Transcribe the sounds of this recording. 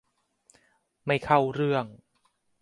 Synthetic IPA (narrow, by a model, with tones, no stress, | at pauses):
ma˥˩jkʰa˥˩wɾɯ˧˩əŋ